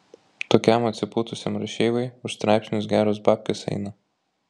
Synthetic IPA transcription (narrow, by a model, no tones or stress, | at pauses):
t̪oːkʲɛmɐt̪ʲsʲɪpuːt̪ʊsʲɛmɾɐʃʲeːʋɐɪʊʃst̪ɾɑɪpʲsʲnʲʊsɡʲæːɾoːs̬bɑːpʲkʲesɛ̰ɪnɐ